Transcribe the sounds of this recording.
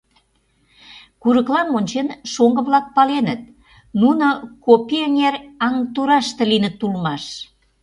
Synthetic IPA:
kuɾəklɑnonʲt͡ɕenʃoŋɡə̆βlɑk̚pɑlenət̪̚ | nunokopiəŋerɑŋt̪uɾɑʃt̪ə̆linə̆t̪ːulmɑʃ

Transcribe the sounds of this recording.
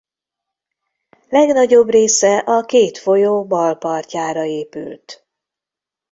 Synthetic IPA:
lɛɡnɒɟo̞breːsɛʔɒkeːt̪fo̞joːbɒlpɒrcaːɾɒeːpy̰lt̪

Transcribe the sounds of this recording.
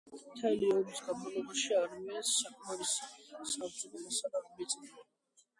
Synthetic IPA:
mt̪ʰɛliɔɾisɡad̪malˠɔbaʃiaɾmiasːakʰmaɾisasabzud̪ɔlasad̪amit̪sʼnia

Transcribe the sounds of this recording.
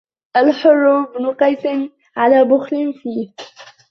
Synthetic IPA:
ʔalħʊrˤːʊbnʊqɑjsɪn | ʕalaːbʊxlɪnfiːh

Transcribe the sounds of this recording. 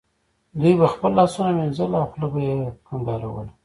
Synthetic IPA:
d̪ujbaxpəlːɑsunamenzəlawxlabajekaŋɡ̪ɑɾa̰wə̰l

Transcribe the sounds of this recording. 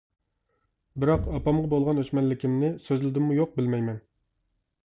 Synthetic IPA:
bɪɾɑqɑpɑmʁɑbolˠʁɑnøʃmɛnlɪkʲimnɪsøzlɪd̪ɪmːujoq̚bɪlmɛjmɛn

